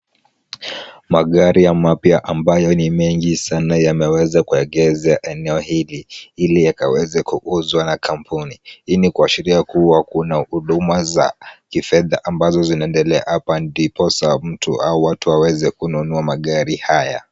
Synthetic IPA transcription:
maɠaɾijamapjaʔambajɔnimɛŋɡisanajamɛwɛzakuɛɠɛzaʔɛnɛɔhiliilijaka̰wɛzɛkuʔuzwanakʰampʰuniinikuaʃiɾiakuwakunahuɗumaza̰kifɛðaʔambazɔzinaɛndɛlɛa̰hapandipɔsam̩tṵauwatuawɛzɛkununuamaɠaɾihaja̰

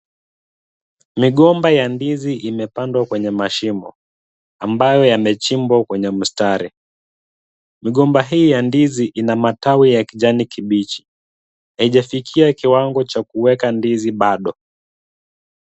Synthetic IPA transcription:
miɠɔmbajandiziʔimɛpandwakwɛɲɛmaʃimɔ̰ | ambajɔjamɛt͡ʃimbwakwɛɲɛm̩staɾi | miɠɔmbaɦiːjandiziʔinamatawijakiʄanikiɓit͡ʃi̥ | jaiʄafikʰiakiwaŋɡɔt͡ʃakuwɛkandiziɓaɗɔ

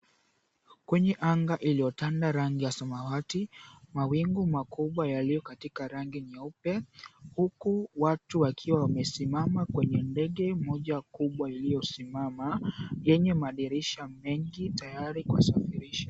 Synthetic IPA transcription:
kwɛɲɛʔaŋɡaʔiliɔtandaɾaŋɡijasamawatimawiŋɡumakuɓwajalijɔkatikaɾaŋɡinaupɛhukuwatuwakʰiwawamɛsimamakwɛɲɛndɛɠɛmɔʄakuɓwailijɔsimamajɛɲɛmaɗiɾɛʃamɛŋɡitajaɾikua̰safiɾiʃḁ

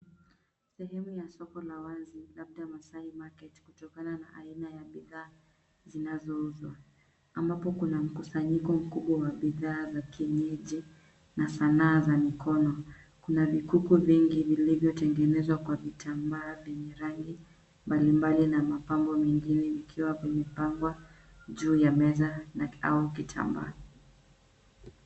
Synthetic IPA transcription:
sɛɦɛmujasɔkɔlawazilabɗamasaimakɛti̥kutɔkanana̰ʔainajaɓiðaː | zinazɔuzwaː | mbapɔkunam̩kusaɲikɔm̩kuɓwawaɓiðaːzakiɛɲɛʄi | nasanaːzamikɔnɔ | kunavikukuviŋɡivilivjɔtɛŋɡɛnɛzwakwavitʰambaːvjɛɲɛɾaŋɡi | mbalimbalinamapambɔmɛŋɡinɛikʰiwavɛɲɛpaŋɡwa | ʄuːjamɛzanaa̰uk̬itʰa̰mba̰ː

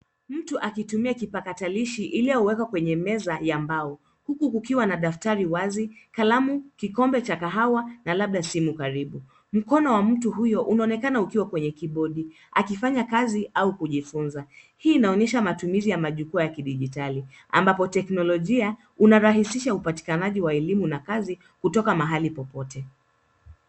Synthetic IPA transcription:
m̩tuʔakitumiakipakataliʃiʔiliauwɛkwakwɛɲɛmɛzajambaɔ | hukukukiwanaɗaftaɾiwazikalamukikɔmbɛt͡ʃakaɦawanalaɓ̚ɗasimukaɾiɓu | m̩kɔnɔwam̩tuɦujɔʔunaɔnɛkanaukiwakwɛɲɛkiɓɔɗi | akifaɲakaziʔaukuʄifunza | hiːnaɔɲɛʃamatumizijamaʄukuajakiɗiʄitali | a̰mbapɔtɛknɔlɔʄia | unaɾaɦisiʃaupati̥kanaʄiwaɛlimunakazi | kutɔkamaɦalipɔpɔtʰɛ

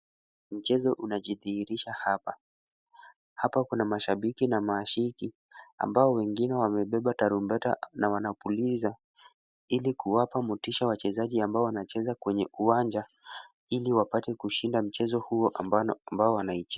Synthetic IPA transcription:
m̩t͡ʃɛzɔʔunaʄiðiiɾiʃahapa | hapakunamaʃaɓikinamaːʃiki | a̰mbaɔwɛŋɡinɛwamɛɓɛɓataɾumbɛta̰nawanapuliza | ilikuwapamutiʃawat͡ʃɛzaʄiambaɔwanat͡ʃɛzakwɛɲɛuwaɲd͡ʒa | iliwapatɛkuʃindam̩t͡ʃɛzɔhuɔʔmbaɔwanait͡ʃɛ

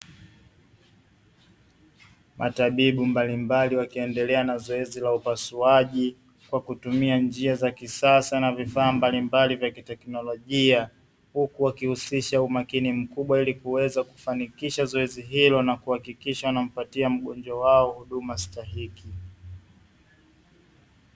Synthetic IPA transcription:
mʔataɓiɓumbalimbaliwakiɛndɛlɛanazɔɛzilaupasuaʄi | kwakutumiand͡ʒiazakisasanavifaːmbalimbalivjakitɛknɔlɔʄia | hukuwakihusiʃaumakinim̩kuɓwailikuwɛzaku̥fanikiʃazɔɛziɦilɔnakuhakikiʃawnam̩patiam̩ɠɔnd͡ʒwawaɔhuɗumastaɦiki

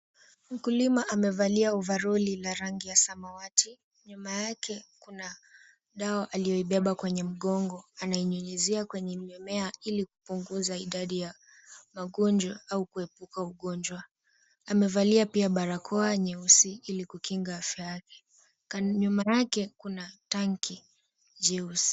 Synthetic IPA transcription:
m̩kulimaʔamɛvaliauvaɾɔlilaɾaŋɡijasamawatʰi | ɲumajakʰɛkuna | ɗaaʔalijɔiɓɛɓakwɛɲɛm̩ɠɔŋɡɔanaiɲuɲɛziakwɛɲɛmɛmɛailiku̥puŋɡuzaiɗaɗija | maɠɔnd͡ʒwaaukuɛpukauɠɔɲd͡ʒwa | amɛvaliapiaɓaɾakʰɔaɲɛusiilikukiŋɡaafjajakɛ̥ | kɲumajakɛkunataŋki | d͡ʒɛus

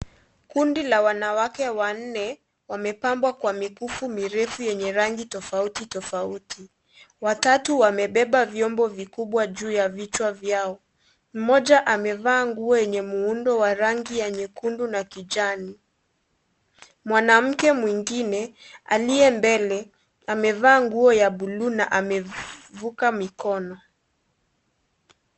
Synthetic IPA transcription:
kundilawanawakɛwan̩nɛ | wamɛpambwakwamikufumiɾɛfujɛɲɛɾaŋɡitɔfautitɔfauti | watatuwamɛɓɛɓavjɔmbɔvikuɓwaʄuːjavit͡ʃwavjaɔ | m̩mɔʄaʔamɛvaːŋɡuɔjɛɲɛmuundɔwaɾaŋɡijɛɲɛkundunakiʄani | mwanam̩kɛmwiŋɡinɛa̰liɛmbɛlɛ | amɛvaːŋɡuɔjaɓuluna̰ʔamɛvukamikɔnɔ

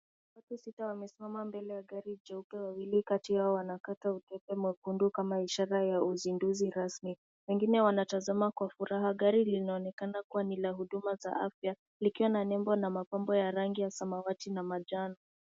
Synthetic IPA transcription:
watusitawamɛsimamambɛlɛjaɠaɾid͡ʒaupɛwawilikatihaɔwanakatautɛpɛmwakundukamaiʃaɾajauzinduziɾasmi | wɛŋɡinɛwanatazamakwafuɾaɦaɠaɾilinaɔnɛkanakuwanilaɦuɗumaza̰ʔa̰fja | likiwananɛmbɔnamapambɔjaɾaŋɡijasamawatinamad͡ʒanɔ

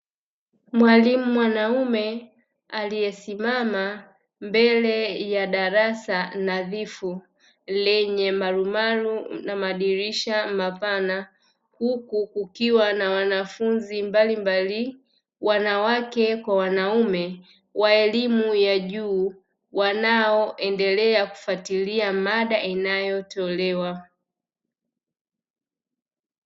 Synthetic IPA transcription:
mwalimumwanaumɛ | alijɛsimama | mbɛlɛjaɗaɾasanaðifu | lɛɲɛmaɾumaɾunamaɗiɾiʃamapana | hukukukiwanawanafunzimbalimbali | wanawakɛkwawanaumɛ | waɛlimujaʄuː | wanaɔʔɛndɛlɛaku̥fatiliamaɗaʔinajɔtɔlɛwa

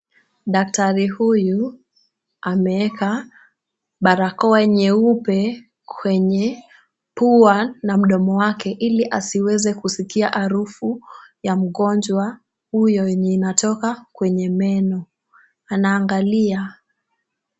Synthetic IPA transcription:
ɗak̚taɾihuju | amɛɛka | ɓaɾakɔɛɲɛupɛ | kʰwɛɲɛ | puanam̩ɗɔmɔwakɛʔiliʔasiwɛzɛkusikiaʔaɾufujam̩ɠɔnd͡ʒwa | hujɔɲinatɔkakwɛɲɛmɛnɔ | anaːŋɡalia

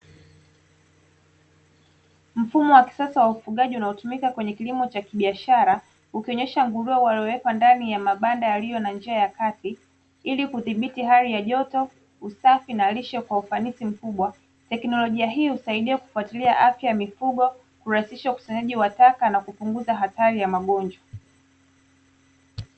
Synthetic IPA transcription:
m̩fumɔwaki̥sasawaufuɠaʄiunaɔtumikakwɛɲɛkilimɔt͡ʃakiɓiaʃaɾa | ukiɔɲɛʃaŋɡuɾuawaliɔwɛkwandanijamaɓandajalijɔnand͡ʒiajakati | ilikuðiɓitiɦaɾijaʄɔtɔ | usafinaliʃɛkwaufanisim̩kuɓwa | tɛknɔlɔʄiaɦiːhusaiɗiɛku̥fuatiliaʔafjajamifuɠɔ | kuɾaisiʃauku̥saɲaʄiwatakanakupuŋɡuzaɦataɾijamaɠɔnd͡ʒwa

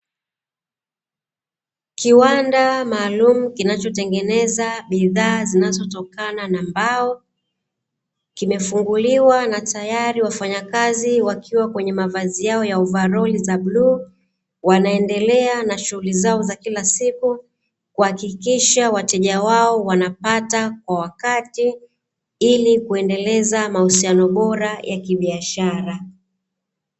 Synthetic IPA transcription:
kiwandamaːlumukinat͡ʃɔtɛŋɡɛnɛzaɓiðaːzinazɔtɔkananambaɔ | kimɛfuŋɡuliwanatajaɾiwafaɲakaziwakʰiwakwɛɲɛmavazijaɔjauvaɾɔlizabluː | wanaɛndɛlɛanaʃuhulizaɔzakilasiku | kuhakikiʃawatɛʄawaɔwanapatakwawakati | ilikuɛndɛlɛzamahusianɔɓɔɾajʔakiɓiaʃaɾa

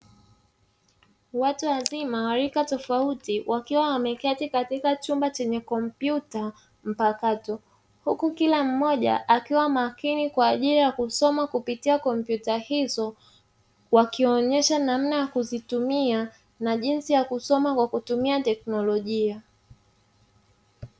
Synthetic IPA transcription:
watuazimawaɾikatɔfautiwʔakiwawamɛkatikatikat͡ʃumbat͡ʃɛɲɛkɔmpjuta | m̩pakatɔ | hukukilam̩mɔʄa̰ʔakiwamakinikwaːʄiɾijakusɔmakupitiakɔmpjutahizɔ | wakiɔɲɛʃanam̩najakuzitumia | naʄinsijakusɔmakwakutumiatɛk̚nɔlɔʄia

